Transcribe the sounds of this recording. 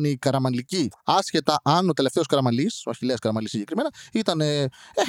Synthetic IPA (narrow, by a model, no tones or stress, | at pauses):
neikɐɾɐmɐnliciɐsce̞t̪ɐʔɐno̞t̪e̞le̞ft̪e̞oskɐɾɐmɐlisoɐçileɐskɐɾɐmɐlisːiɲɟekɾime̞nɐit̪ɐnee